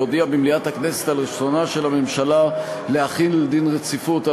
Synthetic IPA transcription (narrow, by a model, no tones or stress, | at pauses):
od̪iabimliat̪haknese̥t̪alʁiʃonaʃe̞lame̞mʃala | leaχinled̪inʁet͡sifut̪a